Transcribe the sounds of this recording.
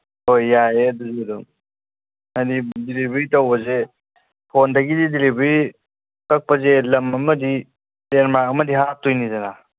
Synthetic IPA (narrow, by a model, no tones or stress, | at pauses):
hojːaeduzidɔm | adidilibɾitɐwbɐze | pʰondaɡididilibɾi | kɐk̚pəzelɐmɐmɐdi | teɾmakɐmɐdiɦatujnizana